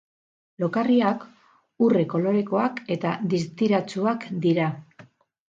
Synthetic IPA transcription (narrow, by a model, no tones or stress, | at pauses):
lo̞kariak | ure̞ko̞lo̞ɾe̞ko̞ake̞t̪ad̪ist̪iɾat͡suakd̪iɾa